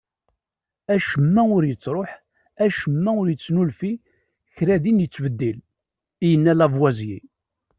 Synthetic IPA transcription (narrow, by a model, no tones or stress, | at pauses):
æʃəmːæʊɾjət͡sːɾˤoħ | æʃəmːæʊɾjət͡sːnulfi | çɾæðinjət͡sːbəd̪ːil | ijənːælævwæzjḭ